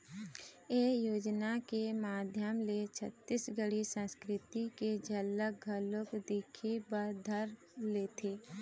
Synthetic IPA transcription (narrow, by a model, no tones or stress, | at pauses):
eːjoːd͡ʒnakemaːd̪ʱjəmlet͡ʃʰət̪ːɪsɡəɽisə̃nskɾɪt̪iked͡ʒʱəlːəɡʱəlokd̪ikʰibəɾd̪ʱəɾ | leːt̪ʰeː